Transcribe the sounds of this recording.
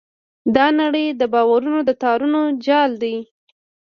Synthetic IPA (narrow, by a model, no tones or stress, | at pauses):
d̪ɑnaɽəjd̪əbɑwaɾunod̪ət̪ɑɾunod͡ʒɑld̪aj